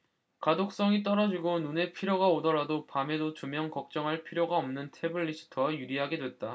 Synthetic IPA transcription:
kadok̚s͈ʌŋit͈ʌɾʌd͡ʑiɡonune̞pʰiɾjoɡaodʌɾadopame̞dot͡ɕumjʌŋkʌk̚t͡ɕ͈ʌŋɦaɭpʰiɾjoɡaʌmnɯntʰe̞bɯɭːiɕʰi̥tʰʌjuɾiɦaɡe̞dwe̞t̚t͈a

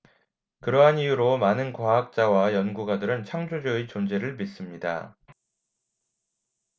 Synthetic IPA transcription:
kɯɾʌɦanijuɾomanɯnkwaɦak̚t͡ɕ͈awajʌnɡuɡadɯɾɯnt͡ɕʰaŋd͡ʑud͡ʑeit͡ɕond͡ʑe̞ɾɯɭmis͈ɯmɲida̰

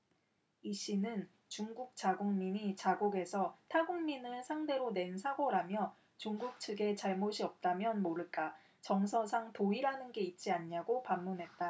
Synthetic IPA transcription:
iɕ͈inɯn | t͡ɕuŋɡuk̚t͡ɕ͈aɡuŋmiɲit͡ɕaɡoɡe̞sʰʌtʰaɡuŋminɯnsʰaŋde̞ɾone̞nsʰaɡoɾamjʌ | t͡ɕuŋɡuk̚t͡ɕʰɯɡe̞t͡ɕaɭmoɕʰiʌp̚t͈amjʌnmoɾɯɭk͈a | t͡ɕʌŋsʰʌsʰaŋtoiɾanɯnɡe̞it̚t͡ɕ͈iaɲɲaɡopamːunɦe̞t̚t͈a

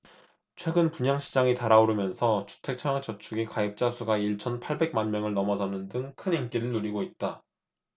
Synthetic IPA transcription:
t͡ɕʰwe̞ɡɯnpuɲaŋɕʰid͡ʑaŋitaɾaoɾɯmjʌnsʰʌt͡ɕʰu̥tʰe̞k̚t͡ɕʰʌŋjak̚t͡ɕʌt͡ɕʰuɡikaip̚t͡ɕ͈asʰuɡaiɭt͡ɕʰʌnpʰaɭbe̞ɡ̚manmjʌŋɯɭnʌmʌd͡ʑʌnɯndɯŋkʰɯnimk͈iɾɯɭnuɾiɡoit̚t͈a

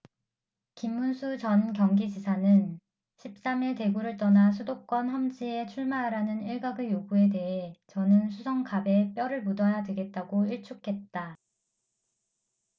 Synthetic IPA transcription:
kimːunsʰut͡ɕʌnkjʌŋɡid͡ʑisʰanɯn | ɕʰip̚s͈amete̞ɡuɾɯɭt͈ʌnasʰudok͈wʌnɦʌmd͡ʑie̞t͡ɕʰuɭmaɦɾanɯniɭɡaɡɯjoɡue̞de̞ɦe̞t͡ɕʌnɯnsʰusʰʌŋkabe̞p͈jʌɾɯɭmudʌjadeɡe̞t̚t͈aɡoiɭt͡ɕʰukʰe̞t̚t͈a

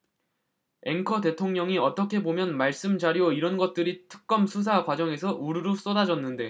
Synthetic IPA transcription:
e̞ŋkʰʌde̞tʰoŋɲʌŋiʌt͈ʌkʰe̞bomjʌnmaɭs͈ɯmd͡ʑaɾioiɾʌnɡʌt̚t͈ɯɾitʰɯ̥k̚k͈ʌmsʰus̬ʰakwad͡ʑʌŋe̞sʰʌʔuɾɯɾos͈ʌdad͡ʑʌnːɯnde̞

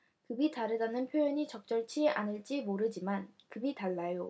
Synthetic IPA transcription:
kɯbitaɾɯdanɯnpʰjojʌɲit͡ɕʌk̚t͡ɕ͈ʌɭt͡ɕʰia̰nɯɭt͡ɕ͈imoɾɯd͡ʑimankɯbitaɭːajo

